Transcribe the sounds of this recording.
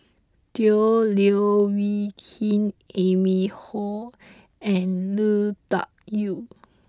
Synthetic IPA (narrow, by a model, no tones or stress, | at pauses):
d̥ioliowikʰĩnemihɔ | ɛ̃nluta̰ʔ̚ju